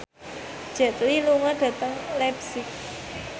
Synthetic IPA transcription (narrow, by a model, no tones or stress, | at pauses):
d̥ʒ̥ɛ̤t̪liluŋɔɖ̥ä̤t̪əŋlɛpsɪk̚